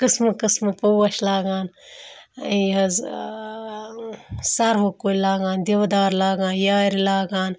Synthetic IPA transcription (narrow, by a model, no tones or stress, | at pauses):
kɨsmɐkɨsmɨpowɐʃlaːɡaːn | iɦɐz | sɐɾɦokolaːɡaːnd̪ewd̪aːɾlaːɡãːnjaːɾilaːɡaːn